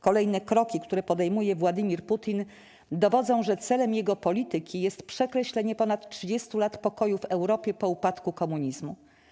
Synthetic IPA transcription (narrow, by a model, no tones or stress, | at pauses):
kɔlɛjnɛkɾɔkʲikt̪uɾɛpɔd̪ɛjmujɛvwad̪ɘmʲiɾput̪ʲin | d̪ɔvɔd̪zɔ̃w̃ʐɛt̪sɛlɛmjɛɡɔpɔlʲit̪ɘkʲijɛst̪pʂɛkɾɛɕlɛɲɛpɔnat̪tʂɘd͡ʑest̪ulat̪pɔkɔjuvɛwɾɔpʲjɛpɔupat̪kukɔmuɲizmu